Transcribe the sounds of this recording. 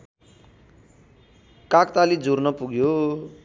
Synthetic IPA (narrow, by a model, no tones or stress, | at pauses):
kakt̪alid͡zʱurnʌpuɡjo